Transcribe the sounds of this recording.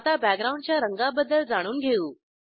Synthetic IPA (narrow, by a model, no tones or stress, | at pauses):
t̪abæk̚ɡɾauɳɖ̚t͡ɕjaɾəŋɡabəd̪əɭd͡zaɽ̃uːnɡʱeuː